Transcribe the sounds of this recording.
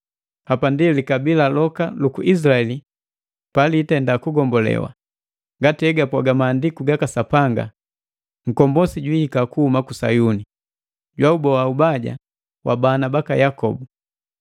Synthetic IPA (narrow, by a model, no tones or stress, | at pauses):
hapandilikabilalɔkalukuʔis̬laɛli | paliːtɛndakuɡɔmbɔlɛ̰wa̰ | ŋɡatiɛɡapwaɡamaːndikuɡakasapaŋɡa̰ | ŋ̩kɔmbɔsiɟwiːkakuhumakusajuni | ɟwaubɔwaubaɟa̰ | wʔa̰banabakajakɔbu